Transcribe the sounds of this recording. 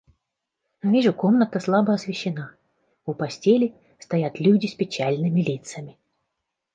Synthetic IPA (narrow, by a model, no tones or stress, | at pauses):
nɐvʲiʐʊkomnət̪əslˠabəɐsvʲɪɕːɪna | ʊpɐsʲtʲelʲɪ | st̪ɐjat̪lʲudʲɪsʲpʲɪt͡ɕalʲnɨmʲɪlʲit̪səmʲɪ